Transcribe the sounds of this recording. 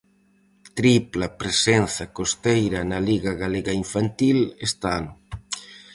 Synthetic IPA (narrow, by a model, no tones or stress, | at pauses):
t̪ɾiplɐpɾesenθɐkost̪ejɾɐnɐliɣɐɣaleɣɐiɱfant̪ilest̪anʊ